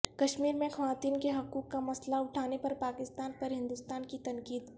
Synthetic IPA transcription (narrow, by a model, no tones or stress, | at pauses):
kɐʃmiːɾmẽxɐʋaːt̪iːnkeɦɐkuːkːamɐslaʊʈʰaːnepɐɾpaːkɪst̪aːnpɐɾɦɪ̃nd̪ʊst̪aːnkit̪ɐ̃ŋkiːd̪